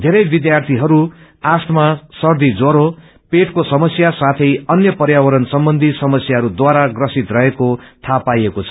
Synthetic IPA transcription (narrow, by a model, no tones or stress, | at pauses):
d̪ʱeɾʌjbid̪jart̪ʰiɦʌɾu | ast̪masʌrd̪id͡zoɾo | peʈkosʌmʌsjasat̪ʰʌjʌnjʌpʌɾjawʌɾʌnsʌmbʌnd̪ʱisʌmʌsjaɦʌɾud̪waɾaɡrʌsit̪rʌɦekot̪ʰapajekot͡sʰʌ